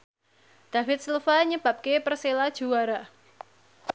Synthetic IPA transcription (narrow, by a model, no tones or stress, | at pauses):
d̪̥a̤fɪt̪̚səlfaɲəb̥a̤p̚kepərselad̥ʒ̥ṳwaɾa